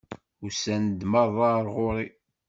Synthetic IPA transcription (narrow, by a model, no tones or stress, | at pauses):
usænd̪mɑðˤɑɾˤʁʊɾˤi